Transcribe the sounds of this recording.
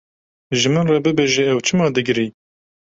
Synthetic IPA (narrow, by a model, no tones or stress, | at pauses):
ʒɨmɨnrɑbɨbeʒeɛwt͡ʃʰɨmɑːd̪ɨɡɾi